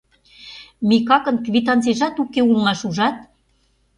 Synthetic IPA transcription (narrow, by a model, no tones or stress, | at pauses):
mikɑkə̆nkβʲit̪̬ɑnt͡seʒɑt̪ukeulˠmɑʃuʒɑt̪̚